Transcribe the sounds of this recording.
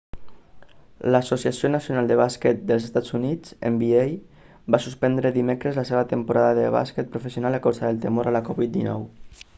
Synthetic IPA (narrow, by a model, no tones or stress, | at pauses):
ləsosiasionəsjunalˠd̪əβasket̪̚d̪əlzest̪ad͡zunid͡zḛmbiej | basuspɛnd̪ɾəðimekɾəzləseβət̪əmpuɾaðəðəβa̰sket̪̚pɾufəsiunaləkawzaðəlˠt̪əmoɾaləkɔβit̪̚d̪inɔ̰w